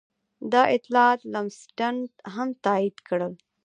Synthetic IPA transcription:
d̪ɑʔɪt̪lɑt̪lamsʈaɳɖɦamt̪ɑid̪kɽəl

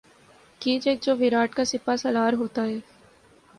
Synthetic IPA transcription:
kiːd͡ʒeːk̚d͡ʒoːʋɪɾaːʈkasɪpasɐlaːɾɦoːt̪aɦɛː

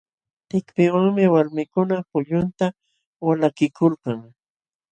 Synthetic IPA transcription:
t̪ɪkpɪwaŋmɪwaɾmɪkʊnapʊʎʊnt̪a | walakɪkʊlkɑŋ

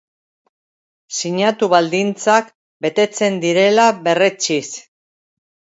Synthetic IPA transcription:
siɲat̪uβald̪int͡sak | be̞t̪e̞t͡se̞nd̪iɾe̞laβe̞ret͡ʃis

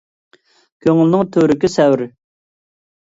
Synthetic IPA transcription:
kʲʰøŋylnɪŋt̪ʰøɾɪkʲisɛwɾ

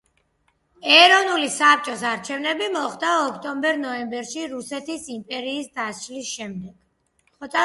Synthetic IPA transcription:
ɛɾɔnulisap̚t͡ʃʼɔsaɾt͡ʃʰɛvnɛbimɔχd̪aɔkʰt̪ʼɔmbɛɾnɔɛmbɛɾʃiɾusɛt̪ʰisimpʼɛɾiːsd̪ast͡ʃʼlisʃɛmd̪ɛɡ̥ | χɔt̪ʼa

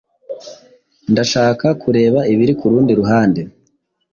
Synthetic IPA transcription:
ndaʃaːkakʰuɾe̞ːβaiβiɾikuɾuːndiɾuɦaːnde̞

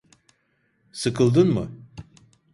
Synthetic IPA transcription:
sɯkʰɯlˠd̪ɯnmɯ̰

